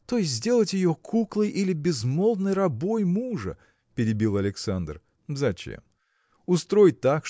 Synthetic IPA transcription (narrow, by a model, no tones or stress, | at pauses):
t̪o̞jɪs̬ʲt̬ʲzʲdʲe̞lˠətʲjɪjokʰuklˠɨjʔilʲɪbʲɪzmo̞lˠd̪nɨjrɐbo̞jmuʐə̰ | pʲɪɾʲɪbʲilˠɐlʲɪksand̪r | zɐt͡ɕḛm | ʊst̪ɾo̞jɪt̪ːakʂ